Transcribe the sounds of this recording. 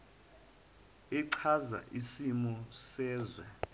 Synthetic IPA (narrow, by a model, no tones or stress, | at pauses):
iǀʰaza̰ʔisimɔsɛːzwɛ